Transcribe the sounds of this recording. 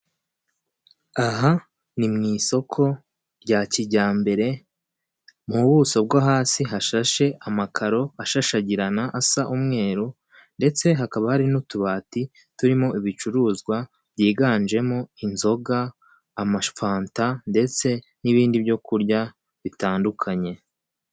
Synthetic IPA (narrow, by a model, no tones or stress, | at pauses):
aɦa | nimŋiːso̞kʰo̞ | ɾɟaciɟaːmbe̞ɾe̞ | muβuso̞bɡaɦaːsiɦaʃaʃe̞ʔamakʰaɾo̞aʃaʃaɟiɾanaʔasaʔumŋe̞ːɾu | nde̞t͡se̞ɦakaβahaɾinutuβaːti | tuɾimo̞ʔiβit͡ʃuɾuːzɡwa | b̥ɟiːɡaːnd͡ʒe̞mo̞inzo̞ɡaː | maʃp͡faːntande̞t͡se̞ | niβiːndiβjo̞kuɾɟa | βitaːndukʰaɲe̞